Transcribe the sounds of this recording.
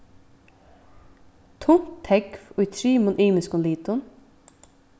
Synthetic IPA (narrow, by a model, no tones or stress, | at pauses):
t̪ʰʊnt̪ʰːɛɡfoit̪ʰɾyːmɔnʔyːməskɔnliːt̪ʊn